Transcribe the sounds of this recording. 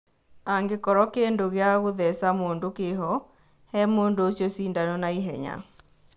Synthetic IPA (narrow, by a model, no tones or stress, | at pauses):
aŋɡekɔɾɔkeːndoɣeaɣoðɛsamoːndokeɦɔ | hɛmoːndoosjɔsiːndanɔnaiɦɛ̰ɲa̰